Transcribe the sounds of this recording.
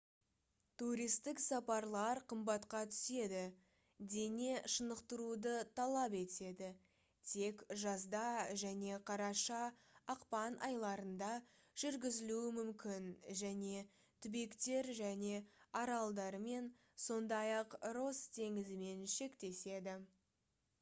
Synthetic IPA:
t̪uɾijst̪ɪksɑpɑɾlˠɑɾqʰəmbɑt̪qɑt̪ʰʏ̥se̞d̪ɪ | d̪e̞ne̞ʃənəqt̪əɾud̪ət̪ʰɑlˠɑpe̞t̪e̞d̪ɪ | t̪ʰe̞kʒɑzd̪ɑʒæne̞qʰɑɾɑʃɑːqpɑnʔɑ̰jlˠɑɾənd̪ɑ | ʒ̥ʏɾɡʲɪzɪluɪmʏmkʲɪnʒæne̞ | t̪ʰʏbe̞kt̪e̞ɾʒæne̞ɑɾɑlˠd̪ɑɾme̞n | so̞nd̪ɑjɑqɾo̞st̪ʰe̞ŋɪzɪme̞nʃe̞kt̪e̞se̞d̪ɪ

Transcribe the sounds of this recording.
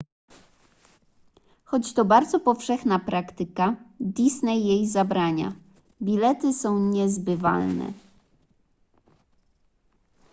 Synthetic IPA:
xɔt͡ɕt̪ɔbaɾd̪zɔpɔfʂɛxnapɾakt̪ɘkad̪ʲisnɛjːejzabɾaɲa̰ | bʲilɛt̪ɘsɔ̃w̃ɲɛzbɘva̰lnɛ̰

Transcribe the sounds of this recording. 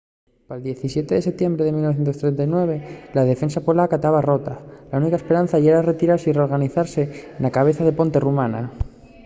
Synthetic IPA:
pald̪je̞θisje̞t̪eðe̞se̞p̚t̪jembɾeðe̞milnoθjent̪ost̪ɾent̪ajnwe̞β̞elað̞e̞fe̞nsapolakat̪aβaro̞t̪alaunikaespe̞ɾanθaʝeɾare̞t̪iɾaɾsireo̞ɾɣaniθaɾse̞ːnlakaβ̞e̞θaðe̞po̞nt̪e̞rumana

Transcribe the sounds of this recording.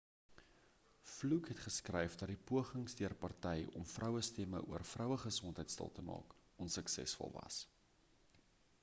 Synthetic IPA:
flukɦɛtχəskrɛjfdɐt̚dipuəχəŋsdiərpɐrtɛjɔmfrʔœwəstɛmə̰ʔuərfrœwəχəsɔntəjtstə̰lˠtəmɑ̰ːk | ɔnsəksɛ̰sfɔ̰lˠvɐ̰s

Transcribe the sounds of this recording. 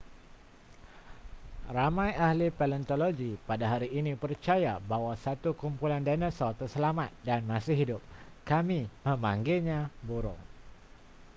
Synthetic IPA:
ramãjahlipɛlənt̪oloɡipadaɦaɾiːnipərt͡ʃajabawasat̪ukumpulandanəsɔlt̪ərsəlamat̪̚danmasɪhɦidʊp̚kamimə̃mãŋɡɪɲãbuɾʊ̰ŋ

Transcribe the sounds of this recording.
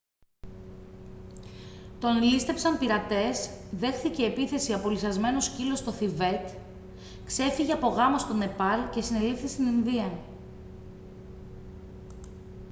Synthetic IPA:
t̪o̞nlist̪e̞psɐmpiɾɐt̪e̞sðe̞xθiceːpiθe̞siɐpo̞liθɐzme̞no̞scilo̞st̪o̞θive̞t̪ | kse̞fiʝeɐpo̞ɣɐmost̪o̞ne̞pɐlce̞sine̞lifθist̪ininðiɐ

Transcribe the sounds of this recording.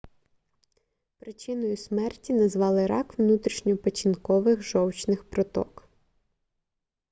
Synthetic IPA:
pɾɪt͡ʃɪnɔjʊsmɛrtʲinɐzʋɑlˠɪɾɑkʋnut̪ɾʲiʃɲʲɔpɐt͡ʃʲinkɔʋɪxʒɔwt͡ʃnɪxpɾɔt̪ɔ̰k

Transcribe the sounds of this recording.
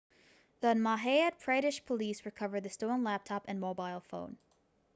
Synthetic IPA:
ðʌnmɑɦeɪɨd̚pʰɹ̥aɪɾɨʃpʰəlisɹɨkʰʌvə˞d̪̚ðɨstõʊ̃nlæp̚tʰɑpɨ̃nmoʊbaɪlˠfõ̰ʊ̃n

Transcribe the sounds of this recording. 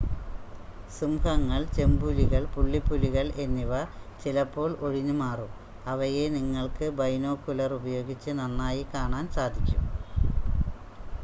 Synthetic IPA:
sumhɐŋːɐɭt͡ɕe̞mbuliɣɐɭpuɭːipːuliɣɐɭe̞nːiʋɐt͡ɕilɐpːo̞ːɭo̞ɻiɲːumaːrum | ɐʋɐjeniŋːɐɭkɨbɐjno̞ːkːulɐrubɐjo̞ːɡit͡ɕːɨnɐnːaːjikaːɳaːnsaːd̪ʱikʲːṵm

